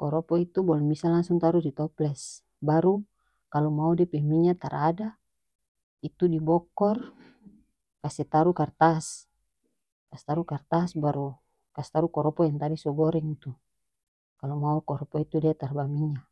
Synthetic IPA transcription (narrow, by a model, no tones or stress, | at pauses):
kɔɾɔpɔit̪ubɔlɛmisalaŋsuŋt̪aɾudit̪ɔplɛs | baɾu | kalɔmaudiapɛmiɲat̪aɾada | it̪udibɔkɔr | kasɛt̪aɾukart̪as | kast̪aɾukart̪asbaɾu | kasɛ̥t̪aɾukɔɾɔpɔjaŋt̪adisɔɡɔɾɛŋit̪u | kalumaukɔɾɔpɔit̪udiat̪arbamiɲa